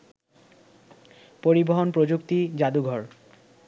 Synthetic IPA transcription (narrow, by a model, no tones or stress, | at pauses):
poɾiboɦonpɾod͡ʑukt̪id͡ʑad̪uɡʱɔɾ